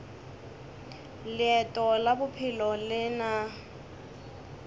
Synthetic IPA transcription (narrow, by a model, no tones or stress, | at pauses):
lɪɛtʼɔlabʊpʰɪlɔlɪna